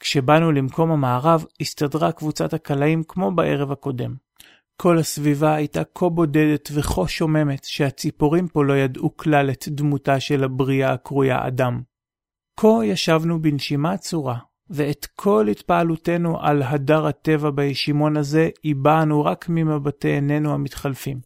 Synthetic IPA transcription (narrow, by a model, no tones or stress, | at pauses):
kʃe̞banulimko̞mhamaːʁavistadʁakvut͡sathakalaimkmo̞baʔe̞ʁe̞vhako̞de̞m | kʰo̞lasvivaːjtakʰo̞bo̞de̞de̞tveχo̞ʃo̞me̞metʃehat͡sipoʁimpo̞lo̞jadʔuklaletdmutaʃe̞labʁiakʁuja̰ʔa̰dam | kʰo̞jaʃavnubinʃimat͡suʁa | veet̪kʰo̞lhitpaalute̞nuʔa̰lɦadaʁate̞vabajeʃimo̞naze̞ibanuʁakmimabateːne̞nuhamitχalfim